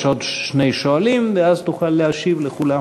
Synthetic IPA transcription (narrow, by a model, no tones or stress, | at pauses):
ʃod̪ʃne̞jʃoalimveazt̪uχalːeaʃivleχula